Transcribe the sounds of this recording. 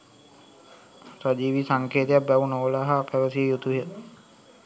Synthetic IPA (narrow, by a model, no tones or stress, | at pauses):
sad͡ʒiːʋisaŋkeːt̪ejap̚bɛʋunoolaɦapæʋəsijəjut̪uɦə